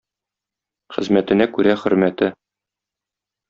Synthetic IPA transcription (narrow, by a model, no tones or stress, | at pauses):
χɘ̆zmæt̪ɘ̆nækʉɾæχɵ̆ɾmæt̪ɘ